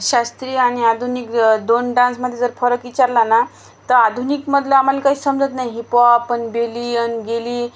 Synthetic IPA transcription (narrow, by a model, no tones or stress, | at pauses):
ɕast̪ɾiːañiad̪ʱunikd̪onɖãnsməd̪ʱjed͡zəɾfəɾəkit͡ɕaɾlana | t̪əɾad̪ʱunikməd̪ʱləam̤alakaɦiːsəmd͡zət̪najɦipaːpəɳbeliːənɡeliː